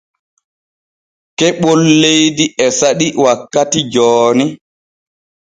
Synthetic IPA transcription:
kɛɓɔlːejdiʔɛsaɗiwakːatid͡ʒɔːni

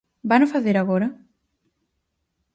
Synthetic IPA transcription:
banofaθeɾaɣɔɾɐ

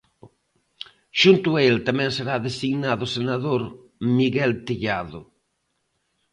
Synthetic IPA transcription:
ʃunt̪uelt̪amɛ̃ŋseɾaðesiɣnaðʊsenaðoɾ | miɣɛlt̪iʎaðʊ

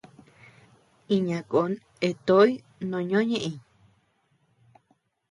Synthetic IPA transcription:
iɲãkon | et̪oj | nõɲõɲẽʔĩɲ

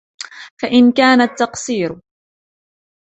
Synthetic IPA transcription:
faʔɪnkaːnat̪ːɑqsiːɾ

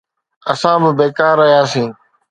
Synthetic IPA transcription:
əsãːbɪbeːkaːɾːəɦijaːsĩː

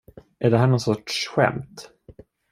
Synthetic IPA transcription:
ʔæɖɛɦæːɳɔːnsɔʈʂɧɛ̰mt̪

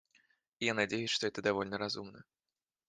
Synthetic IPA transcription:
ijanad͡zʲejuʂt̪ɔɛt̪ɐd̪avɔlʲnɐɾazumnɐ

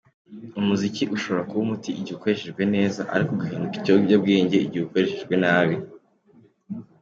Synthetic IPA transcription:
umuziciʔuʃo̞βɾakuβumutiʔiɟiko̞eʃeʒɡwe̞ne̞ːzaʔa̰ɾikoɡuhiːnduki̥coɟab̚ɡeːɲɟeiɟiuko̞ɾeʃeʒɡwe̞naːβi

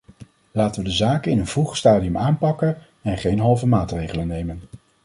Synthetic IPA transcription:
laːtəʋədəzaːkəɪnənvuχstaːdiəmaːnpɑkən | ɛnχejnɦɑlˠvəmaːtrejχələnːejmən

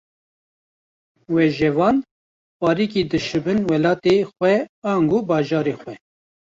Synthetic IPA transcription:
wɛʒɛvɑːn | pɑːɾiːkid̪ɨʃɨbɨnwɛlɑːt̪exʷɛɑːŋɡoːbɑːʒɑːɾeːxʷɛ

